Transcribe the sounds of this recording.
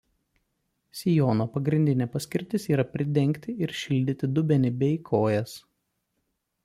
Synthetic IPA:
sʲɪjoːnoːpɐɡɾʲɪnʲd̪ʲɪnʲɛpɐsʲkʲɪɾʲt̪ʲɪsiːɾɐpʲɾʲɪd̪ʲɛŋʲˑkʲt̪ʲɪɪɾʃʲɪlʲd̪ʲɪt̪ʲɪd̪ʊbʲɛnʲɪbʲɛɪkʰoːjɛs

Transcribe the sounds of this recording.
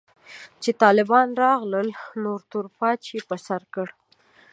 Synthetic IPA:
t͡ʃet̪ɑlɪbɑnɾɑɣləlnoɾt̪ʊɾpɑt͡ʃepəsaɾkəɽ

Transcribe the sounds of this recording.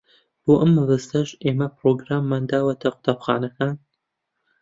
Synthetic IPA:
b̥oːʔɐmːɨlɨst̪ɐʒeːmɐpɾoɡɾaːmːaːnd̪aːwɐt̪ʰɐqʊ̥t̪ʰaːbxaːnɐkʰaːn

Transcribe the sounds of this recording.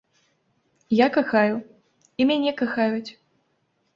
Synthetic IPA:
jakaxaju | imʲanʲɛkaxajut͡sʲ

